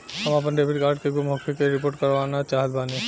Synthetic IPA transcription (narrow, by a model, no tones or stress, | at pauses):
ɦəmap̬ənɖebiʈkaːɾɖkeɡumɦokʰekeɾipoːɾʈkəɾʋaːnat͡ʃaɦət̪̚baːne